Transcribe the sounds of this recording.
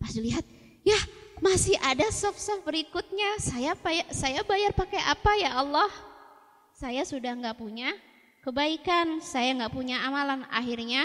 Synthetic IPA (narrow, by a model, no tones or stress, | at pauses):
pasiliɦat̪̚ | jahmasɪʔadasɔfsɔfbəɾikʊt̪̚ɲasajapajasajabajarpakaʔapajaʔalːɔh | sajasudahŋɡaʔpuɲa | kəbaikansajaŋɡaʔpuɲaamalana̰ɦirɲa